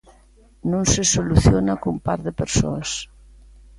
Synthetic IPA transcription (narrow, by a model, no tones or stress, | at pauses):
nõnsesoluθjonakompa̰ɾðepeɾso̰as